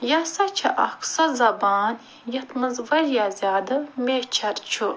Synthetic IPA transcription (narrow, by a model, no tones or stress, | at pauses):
jasɐt͡ʃʰɐʔɐ̰ksɐzɐbaːn | jɐt̪mɨzvɐljaːzʲaːd̪ɨmʲet͡ʃʰɐɾt͡ʃʰu